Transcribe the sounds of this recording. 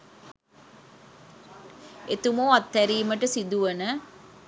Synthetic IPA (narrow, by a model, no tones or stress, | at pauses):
et̪umuat̪ːæɾiːməʈəsid̪uʋənə